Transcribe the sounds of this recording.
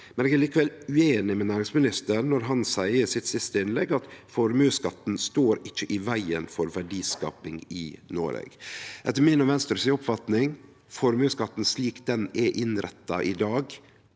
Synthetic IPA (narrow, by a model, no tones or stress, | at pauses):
mmɛneːɡɛɾliːkəʋɛlʉeːnɪmɛnæːɾɪŋsmɪnɪst̪ənɔɾɦɑnsæɪəsɪt̪sɪst̪əɪnlɛɡɑt̪fɔɾmʉːskɑt̪ːn̩st̪oːɾɪt͡ʃːəʔɪʋæɪənfɔɾʋæɖiːskɑ̰ːpɪŋɪnoːɾḛːɡʔɛt̪ːəɾmɪnɔʋɛnst̪əɾsɪɔpfɑt̪nɪŋ | fɔɾmʉːskɑt̪ːn̩sliːkd̪ɛnɛʔɪnɾɛt̪ːɑʔɪd̪ɑːɡ